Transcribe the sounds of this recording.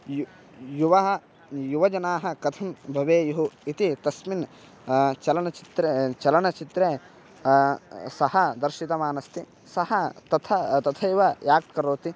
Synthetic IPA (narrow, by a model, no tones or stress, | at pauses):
j | juʋɐɦɐ̆ | juʋɐd͡ʒɐnaːɦɐ̆kɐt̪ʰɐmbʱɐʋeːjuɦuit̪it̪ɐsmin | t͡ʃɐlɐɳɐt͡ʃit̪ɾet͡ʃɐlɐɳɐt͡ʃit̪ɾeː | sɐhɐd̪ɐɾʃit̪ɐmaːnɐst̪i | sɐhɐt̪ɐt̪ʰɐt̪ɐt̪ʰɐjuʋɐjaːk̚ʈkɐɾoːt̪i